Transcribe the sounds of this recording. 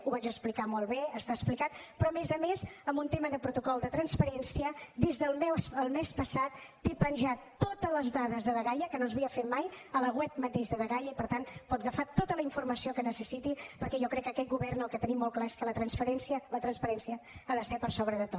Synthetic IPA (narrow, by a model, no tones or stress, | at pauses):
uβad͡ʒəsplikamɔlˠβeəst̪aəsplikat̪̚pɾɔəmezəmezəmbunt̪eməðəpɾut̪ukɔlˠd̪ət̪ɾənspəɾɛnsiəd̪izðəlˠmɛwsəlˠmespəsat̪ːepənʲʒat̪ːot̪ələzðaðəzðəðəɣajəkənozβiəfet̪majələɣwɛp̚mət̪eʒðəðəɣajəipəɾt̪anpɔt̪̚ɣəfat̪ot̪ələiɱfurməsiokənəsəsit̪ipəɾkɛʒɔkɾɛkːəkɛt̪̚ɡuβɛrnəlˠkət̪ənimːɔlˠklaeskələt̪ɾənsfəɾɛnsiələt̪ɾənspəɾɛnsiəaðəsɛpəɾsoβɾəðət̪o